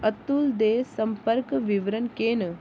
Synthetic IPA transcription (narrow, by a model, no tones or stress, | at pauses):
ət̪uld̪eːsɐmpəɾkʋiʋɾənkeːn